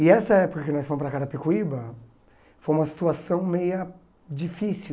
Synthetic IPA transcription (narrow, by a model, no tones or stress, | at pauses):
ɪɛsɐɛpokɐkɪnɔjsfõmʊspɾɐkaɾɐpekuibɐ | fojũmɐsi̥t̪uasɐ̃w̃mejɐ | d͡ʒifisi